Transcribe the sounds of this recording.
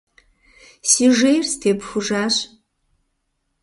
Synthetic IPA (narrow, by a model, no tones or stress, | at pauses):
siːʒejrstʰeːpxʷʊʒaːɕ